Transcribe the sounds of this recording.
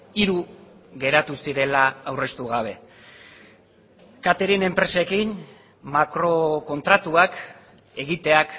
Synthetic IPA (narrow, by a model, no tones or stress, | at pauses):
iɾuɣe̞ɾat̪usiɾe̞laːwre̞st̪uɣaβ̞e̞ | kat̪eɾene̞mpɾe̞sekin | makɾo̞ko̞nt̪ɾat̪uak | e̞ɣit̪e̞ak